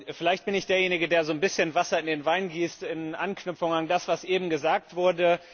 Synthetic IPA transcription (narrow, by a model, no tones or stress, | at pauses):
fɪlaɪçt̚b̥ɪnɪçd̥eːɐjeːnɪɡədeːɐzoːnbɪsçənvasɐɪndeːnvaɪnɡiːstɪnʔanknʏfʊŋandasv̥asʔeːbm̩ɡəzaːk̚tv̥ʊɐdə